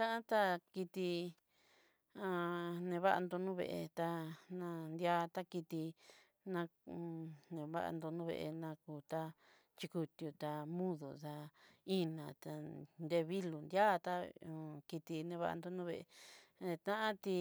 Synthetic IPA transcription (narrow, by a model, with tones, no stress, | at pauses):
t̪ã˦ʔã˦t̪a˦ki˧t̪i˧ | ã˧nẽ˧βa˦ʔa̰˧nd̪o˧nũ˦βḛ˧ʔḛ˧t̪a˧nã˧nd̪ja˦t̪a˦ki˧t̪i˧ | nã˧ | nẽ˧˨βa̰˦ʔa̰˧nd̪o˧nũː˦βḛ˧ʔe˧nã˧kuː˧t̪a˦ | t͡ʃi˧ku˧t̪ju˧t̪a˧mũ˦ðu˨ða˧ĩ˦nã˨t̪a˧nd̪e˧βi˦lu˨nd̪ja˦˧t̪a˦˨˧ki˧t̪i˧nẽ˧βa̰˦˧ʔa̰˧nd̪o˧nũː˦βe˧ʔe˧˨˧t̪ã˦ʔã˦t̪i˧